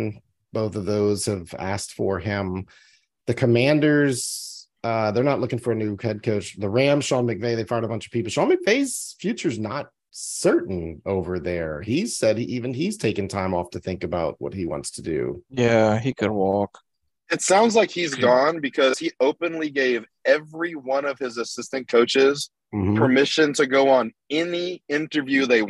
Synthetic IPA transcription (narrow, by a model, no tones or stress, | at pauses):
n | b̥oʊθʌvðoʊz̥hɨvæ̰sktfə˞ɪ̃m | ðɨkʰɨmæ̃ndə˞z | ʌðə˞nətˡlʊkɪ̃ŋfə˞ɨnʉhɛd̚kʰoʊt͡ʃðɨɹæ̃mʃɑlˠmɨk̚veɪðeɪfaɪɹɾəbʌ̃nt͡ʃʌ̥v̥pipl̩ˠʃɑlˠmɨk̚v̥eɪz̥fjʉt͡ʃə˞znət̚ | sɜ˞ʔn̩oʊvə˞ðə˞iz̥sɛd̚iʔivɨ̃n̩iz̥tʰeɪkɨ̃ŋtʰãɪ̃mɔftʰɨθɪ̃ŋkɨbaʊt̚wʌ̰t̚hiwɑ̰̃ntstʰɨdʉ̰jæikʰɨd̚wɔk | ɨtsãʊ̃ndzlaɪkhizɡɔ̃nbɨkʰʌz̥hiʔoʊpɨ̃nliɡeɪv | ɛvɹiwʌ̃nʌv̥ɪzɨsɪstɨ̃nkʰoʊt͡ʃɪz̥ | m̩m̥̩pʰə˞mɪʃɨ̃ntʰɨɡoʊə̃n | ɛniɪ̃ntə˞vjʉðeɪ